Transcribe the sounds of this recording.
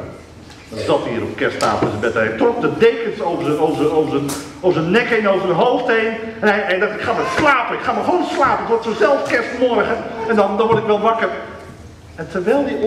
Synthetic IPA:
dɑnzɑtḭːɾɔpkɛsta̰ːfləsəbɛtɦɛjtrɔk̚dədejkənsowəzəowvəzəowvəzən | ovəzənːɛkenowvərdəɦolˠftejn | ɛnɛjɛdtɪkχaːməslaːpənɪkχaːməownslaːpənətʋɔtsozɛlˠfkɛstmɔrχənɛndɑndɑnʋɔɹtɪkʋɛlˠʋɑkər | ɛntərʋɛjlˠdi

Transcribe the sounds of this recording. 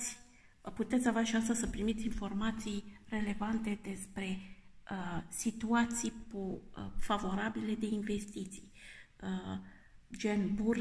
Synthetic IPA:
sʲ | put̪et̪sʲavaʃiast̪əsəpɾimit̪sʲinfo̞rmat̪sijre̞le̞vant̪e̞d̪e̞spɾe̞əsit̪uat̪sijpofavo̞ɾabile̞d̪e̞inve̞st̪it̪si̥jə | d͡ʒe̞nbur

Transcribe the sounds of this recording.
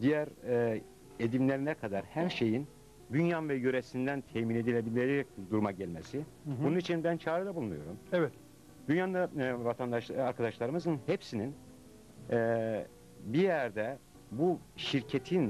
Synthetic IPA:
d̪ijæɾ | ed̪imlʲeɾinɛkʰad̪aɾhæɾʃe̞jin | d̪ynjanvɛjøɾesind̪ænt̪ʰɛmine̞d̪ilʲed̪imlʲeɾd̪uɾmaɟælʲmesi | ununit͡ʃʰinbænt͡ʃʰaːɾɯd̪ɛbulˠunujo̞ɾumɛvɛt̪ | d̪ynjaːnd̪avat̪ʰand̪aʃaɾkʰad̪aʃlˠaɾɯmɯzɯnhepsinin | bijæɾd̪ɛ | bu | ʃiɾcʰet̪ʰin

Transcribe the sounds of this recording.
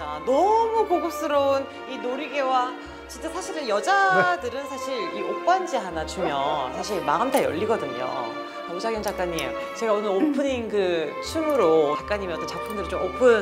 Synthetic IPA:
anʌmukoɡos͈ɯɾʌun | inoɾiɡe̞wa | t͡ɕit͡ɕ͈asʰaɕʰiɾɯjʌd͡ʑadɯɾɯnsʰaɕʰiɾiʔok͈wand͡ʑiɦanat͡ɕumjʌnsʰaɕ̬ʰiɭmaɦɯmtʰajʌ̰ʎːiɡʌdɯɲo̰ | ud͡ʑaɡjʌŋd͡ʑak͈aɲːi | t͡ɕe̞ɡaonɯɾopʰɯɲinkɯt͡ɕʰumɯɾot͡ɕak͈aɲimiʌt͈ːnt͡ɕak̚pʰɯndɯɾɯit͡ɕomopʰɯn

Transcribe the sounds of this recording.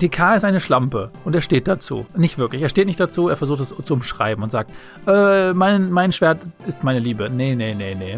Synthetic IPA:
d̥iːkʰaːɪstʔaɪnəʃlampəʔʊnteːɐʃteːt̚d̥at͡sṵːnɪçtv̥ɪɐklɪçeːteːtnɪçtd̥at͡suːeːɐfɛɐzuːxtɛst͡suʊmʃʁ̥a̰ɪbm̩ʊntz̥aːk̚t | ʔɛːmaɪnmaɪnʃv̥eːɐtɪstmaɪnəliːbənenenene

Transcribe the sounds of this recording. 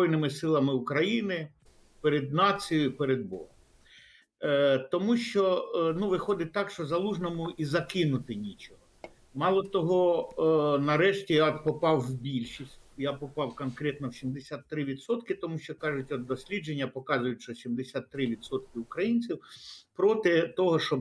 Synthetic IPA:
ɔjnɪmɪsɪlˠɐmɪʊkɾɐjinɪ | peɾed̪nɑt͡sʲijʊjpeɾed̪̚bɔ̰ɦɔm | t̪ɔmuʃt͡ʃɔnuʋɪxɔd̪ɪt̚ʲt̪ɑkʃt͡ʃɔzɐlˠuʒnɔmʊʔizɐkɪnʊt̪ɪnʲit͡ʃɔɦɔ | mɑlˠɔt̪ɔɦɔ | nɐɾɛʃtʲijapɔpɑwwbʲilʲʃisʲtʲjapɔpɑwkɔnkɾʲɛt̪nɔwsʲimd̪esʲat̪ːɾɪʋʲid̪sɔt̪kɪt̪ɔmuʃt͡ʃɔkɑʒʊtʲɔd̪ːɔsʲlʲid͡ʒenʲːɐpɔkɑzʊjʊtʲʃt͡ʃɔsʲimd̪esʲat̪ːɾɪʋʲid̪sɔt̪̚kɪʊkɾɐjinʲt͡sʲiwpɾɔt̪ɪt̪ɔɦɔʃɔb

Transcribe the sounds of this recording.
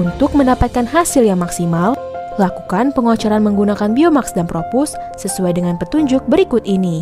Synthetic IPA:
unt̪ʊk̚məndapat̪̚kanɦasɪljaŋmaksimallakukanpəŋot͡ʃɔɾanməŋɡunakanbiomaksdanpɾopʊsːəsuajdəŋanpət̪uɲd͡ʒʊk̚bəɾikʊt̪ini

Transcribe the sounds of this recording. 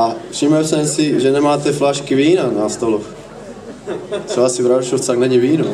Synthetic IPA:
ʔafʂɪmɛlsɛmsɪʒɛnɛmaːt̪ɛflaʃkiviːnanast̪olox | t̪rɛbasivɾaʃult͡st̪aɡnɛɲiviːnu

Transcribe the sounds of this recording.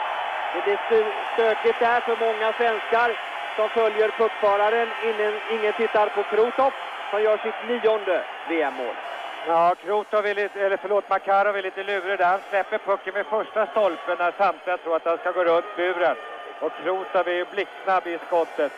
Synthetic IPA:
mɛd̪ɛsst̪øːkɪt̪̚d̪æɾfœɾmɔŋːasvɛnskaɾ | sɔmfœljəɾpʰɵkːfœːɾaɾənɪəɪŋːənt̪ʰɪt̪ːaɾpʰɔkʰɾuːt̪ɔf | sɔmjœːʂɪt̪liːɔnd̪əveːɛmːo̰ːljɑːkʰɾuːt̪avɪlit̪ɛlːəɾfœɭoːt̪makʰɑːɾavɪliːt̪əlʉːɾəd̪æɾhanslɛpːəɾpʰɵkːənmɛfœʂʈast̪ɔlpənːæsamt̪ʰlɪant̪ʰɾuːɾat̪̚hanskaɡoːɾɵppːbʉ̟ːɾən | ɔkʰːɾuːt̪avɪjblɪkːsnabːɪskɔt̪ːət̪

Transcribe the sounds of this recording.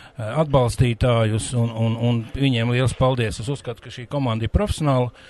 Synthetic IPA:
ad̪̚balˠst̪iːt̪aːjusunununviɲiɛmlˠiɛlˠspalˠd̪iəsesuskat̪u̥kaʃiːkɔmãnd̪ɪɾpɾɔfʲe̥sjɔnaːlˠə

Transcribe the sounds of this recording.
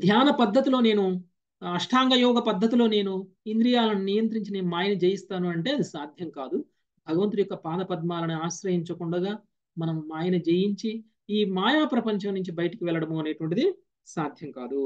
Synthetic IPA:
d̪ʱjaːnɐpɐd̪ʱːɐt̪ilo̞ːne̞ːnu | ɐʂʈʰaːŋɡɐjɔːɡɐpɐd̪ʱːɐt̪ilo̞ːne̞ːnu | ind̪ɾijaːlɐninijɐnt̪ɾiɲt͡ʃineːnumaːjɐnɐd͡ʒeːjist̪aːnuɐɳʈe̞ːɐd̪isaːd̪ʱjɐŋkaːd̪u | bʱɐɡɐʋɐnt̪̬ujɔkːɐpaːd̪ɐpɐd̪̚maːlɐniaːʃɾɐɦiɲt͡ʃɐkuɳɖɐɡaː | mɐnɐmːaːjɐnɐd͡ʒejiɲt͡ʃi | iːmaːjaːpɾɐpɐɲt͡ʃɐmnuɲt͡ʃibɐjɐʈikiʋɛlɐɽɐmuɐne̞ːʈʋɐɳʈid̪i | saːd̪ʱjɐŋkaːd̪u

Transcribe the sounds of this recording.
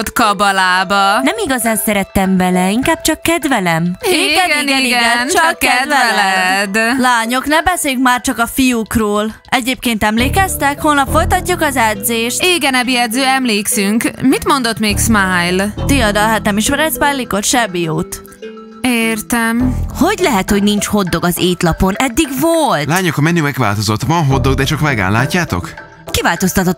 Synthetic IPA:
t̪kɒbɒlaːbɒnɛmiɡɒzaːnsɛɾɛt̪ːɛmvɛlɛiŋkaːb̚t͡ʃɒkːɛd̪vɛlɛmiɡɛɡɡɛiiɡɛɡɛnt͡ʃɒkːɛd̪vɛlɛd̪laːɲo̞knɛmbɛseːjykmaːrt͡ʃɒkɒfijukroːl | ɛɟeːp̚keːnt̪ɛmleːkɛst̪ɛkholnɒpfo̞jt̪ɒcːukɒzɛd̪zeːʃt̪eːɡɛnɛbiɛd̪zøːɛmleːksyŋkmit̪mo̞nd̪ot̪meːksmajlt̪iɒd̪ɒlɦaːt̪nɛmiʃmɛɾɛsmajlːikot̪ʃɛbijoːt̪ | eːrt̪ɛmho̞ɟlɛɦɛt̪hoɟnint͡ʃho̞d̪ːo̞ɡɒzeːt̪lɒpo̞nɛd̪ːiɡvoltlaːɲokɒmɛnːymɛɡva̰ːlt̪o̞zot̪vɒnɦod̪ːo̞ɡd̪ɛt͡ʃɒkmɛɡa̰ːnlːa̰ːcːaːt̪o̞̰k | kivaːlt̪o̞st̪ɒt̪ot̪ː

